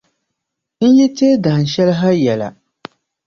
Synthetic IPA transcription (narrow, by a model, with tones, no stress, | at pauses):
n̩˦jɛ˦teː˦da˨ʃɛ˦lɦa˦jɛ˨la̰˨